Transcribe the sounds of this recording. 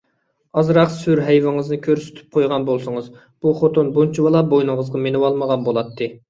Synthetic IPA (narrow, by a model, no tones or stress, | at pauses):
ɑzɾɑqsyɾɦɛjvɪŋɨznɨkʲʰøɾsy̥t̪ʰy̥p̚qʰojʁɑnbolˠsʊŋɨz | b̥uχot̪onbunt͡ʃʰiwɑlˠɑbojnɨŋəzʁɑmenɪwɑlˠməʁɑnbolˠɑt̪ʰːɨ